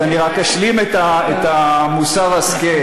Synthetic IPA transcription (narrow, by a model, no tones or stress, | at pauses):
aniʁakaʃlimet̪aet̪amusaʁaske